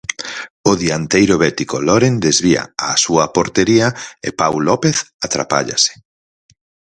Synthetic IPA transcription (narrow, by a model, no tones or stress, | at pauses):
ʊðiant̪ejɾoβɛt̪ikolɔɾend̪ezβia̰asuɐpoɾt̪eɾiɐɪ̰pawlɔpeθat̪ɾa̰pa̰ʎa̰sɪ̥